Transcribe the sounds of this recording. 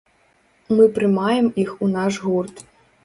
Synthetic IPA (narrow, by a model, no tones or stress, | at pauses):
mɨpɾɨmajɛmixunaʂɣurt̪